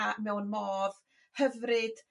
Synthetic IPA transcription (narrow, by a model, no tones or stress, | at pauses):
amɛwnmoːð | həvrɨd̥